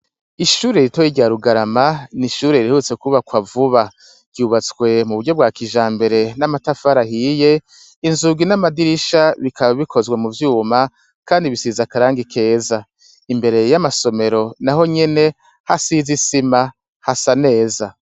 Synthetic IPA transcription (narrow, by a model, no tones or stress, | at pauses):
iʃuːɾe̞ɾitojiɟaɾuɡaɾamaniʃuːɾeiɾihut͡se̞kuβakwavuβa | ɟ̥uːβat͡swe̞muβuɾɟo̞b̚ɡwaːkiʒaːmbe̞ɾe̞namatafaɾahije̞ | inzuɡinamadiɾiʃaβikaβaβikʰo̞zɡwemuvjuːma | kaːndiβisizakaɾaːŋɡikʰe̞ːza | imbe̞ɾe̞jamaso̞me̞ɾo̞naɦo̞ɲe̞ne | hasizisima | hasane̞ːza